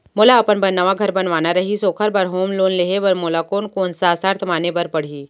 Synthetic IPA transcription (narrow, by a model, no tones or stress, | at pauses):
moːlaɐpənbɐnːaʋaɡʱɐɾbɐnʋaːnaɾɐɦisoːkʰəɾbɐɾɦoːmloːnleɦeʋɐɾmoːlakoːnkoːnsaːsaɾt̪ʰmaːnebɐɾpɐɽ̤ɦiː